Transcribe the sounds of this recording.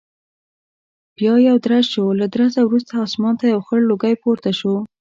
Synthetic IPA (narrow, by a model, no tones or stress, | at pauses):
bjɑjawd̪ɾazʃolad̪ɾazawɾus̬t̪aːsmɑnt̪ajawxəɽloɡajpoɾt̪aʃo